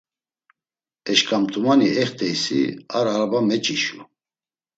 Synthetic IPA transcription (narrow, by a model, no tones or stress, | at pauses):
ɛʃkʼamt̪ʰʼumaniɛχt̪ʰʼɛjsḭaɾaɾbamɛt͡ʃʼiʃu